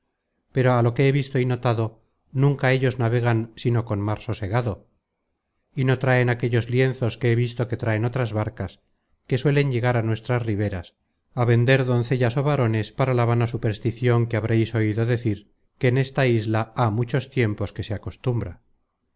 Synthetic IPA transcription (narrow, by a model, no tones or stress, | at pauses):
pe̞ɾoalo̞ke̞eβist̪o̞ino̞t̪aðo̞ | nũŋkaeʎo̞znaβe̞ɣ̞ansino̞ko̞nmaɾsoseɣaðo̞ | ino̞t̪ɾae̞nake̞ʎo̞zlje̞nθo̞skeeβist̪o̞ke̞t̪ɾaeno̞t̪ɾazβaɾkas | ke̞swe̞le̞ɲʎe̞ɣ̞aɾanwe̞st̪ɾasriβ̞e̞ɾas | aβe̞nd̪e̞ɾðo̞nθe̞ʎaso̞β̞aɾo̞ne̞spaɾalaβ̞anasupeɾst̪iθjoŋkeaβɾejso̞iðo̞ðe̞θiɾ | keːne̞st̪aizlaamut͡ʃo̞st̪je̞mpo̞ske̞seako̞st̪umbɾa̰